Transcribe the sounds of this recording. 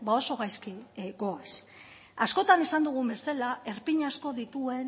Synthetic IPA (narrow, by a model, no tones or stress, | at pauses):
bao̞so̞ɣajskiɡo̞as | asko̞t̪anisand̪uɣ̞umbe̞salae̞ɾpiɲasko̞ðit̪ue̞n